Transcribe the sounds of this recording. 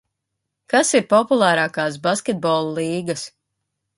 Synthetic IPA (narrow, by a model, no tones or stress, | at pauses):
kasiɾpɔpulˠaːɾaːkaːs̬baskʲɛt̪̚bɔlˠulˠiːɡɐs